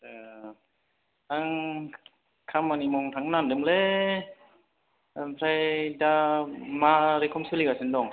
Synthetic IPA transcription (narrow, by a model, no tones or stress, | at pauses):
ɯ | tʰaŋ | kʰamːanimɔŋt̪ʰaŋnandɯmle | mpʰɾajdamaɾekʰɔmsɯlikasɯndɔŋ